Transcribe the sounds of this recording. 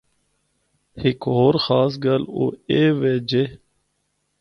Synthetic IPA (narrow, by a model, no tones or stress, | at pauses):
hɪkɦoːɾxaːs̬ɡəlo̰ːeːʋeːd͡ʑe